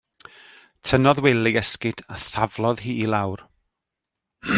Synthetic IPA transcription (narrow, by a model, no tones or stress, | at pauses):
tʰənɔðwɛlˠɪɛskɪd̥aθavlˠɔðhiːilˠawr